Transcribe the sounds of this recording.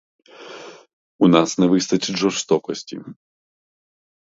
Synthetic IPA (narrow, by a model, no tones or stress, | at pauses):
unasnɐvɨst̪ɐt͡sʲiʐɔst̪ɔkɔsʲt͡sʲḭ